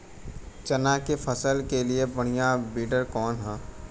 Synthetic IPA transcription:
t͡ʃɐnakepʰəsəlkeliepɐɽ̃ijabiːɖəɾkɔːnɦɛː

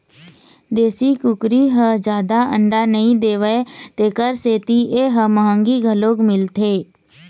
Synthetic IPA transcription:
d̪eːsikʊkɾiɦəd͡ʒjaːd̪aə̰̃ɳɖanəɦĩd̪eːʋəet̪eːkəɾseːt̪iʔeɦəməɦə̃ŋɡiɡʱəloːɡmɪlt̪ʰeː

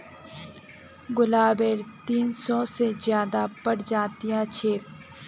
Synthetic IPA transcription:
ɡʊlaːbeːɾt̪iːnsɔːsezjaːd̪apəɽd͡ʒaːt̪ijãt͡ʃʰeːɾ

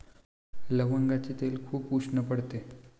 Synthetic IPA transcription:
ləʋəŋɡat͡ɕit̪eːlkʰuːpuɕɳəpəɽt̪e

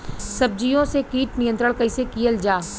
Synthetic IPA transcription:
sɐb̚d͡ʒijõsekiːʈnijə̃nt̪ɾəɽ̃kɐɪsekijəld͡ʒaː

